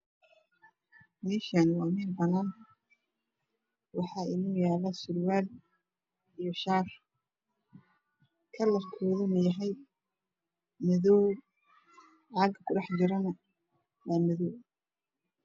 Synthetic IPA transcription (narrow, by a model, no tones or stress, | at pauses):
mɛːʃanwɑːmɛːlbɐnaːn | wɑħɑːɪnɔːjaːlɐsʊlwaːl | ijɔʃaːr | kʰɐlɐfkʰɔːðɐnʊjɐɦɛj | mɪðɔw | ʕɑːɡkʰʊɖɑħd͡ʒɪɾɐnɐ | waːmɪðɔw